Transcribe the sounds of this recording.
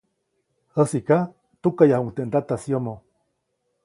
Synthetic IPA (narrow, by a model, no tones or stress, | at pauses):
əsika | t̪ukajahuŋt̪eʔnd̪at̪asjomo